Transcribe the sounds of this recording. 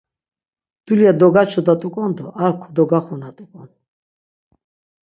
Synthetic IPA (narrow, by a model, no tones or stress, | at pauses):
d̪̥uliad̪ɔɡat͡ʃʰɔd̪at̪ʼukʼɔnd̪ɔʔaɾkʰɔd̪ɔɡaχɔnat̪ʼukʼɔn